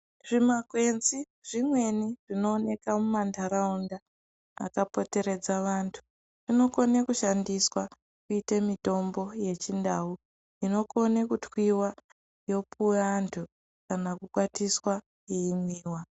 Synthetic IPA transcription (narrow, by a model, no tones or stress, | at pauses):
ʐ̥imakwe̞nzi | ʐ̥imwe̞niʐ̥ino̞ːne̞kamumandaɾaunda | a̰kapo̞te̞ɾe̞d͡zaʋaːntʰu̥ | ʐ̥ino̞ko̞nekuʃandiswa | kuitemito̞mbo̞je̞t͡ʃindau | ino̞ko̞nekutwiwa | jo̞pueantʰu | kanakukwatiswa | jeimiːwa